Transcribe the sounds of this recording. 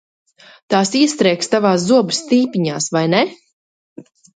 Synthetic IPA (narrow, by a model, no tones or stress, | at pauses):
t̪aːsiɛst̪ɾɛjkst̪avaːszuɔbɨst̪iːpʲiɲaːsvajne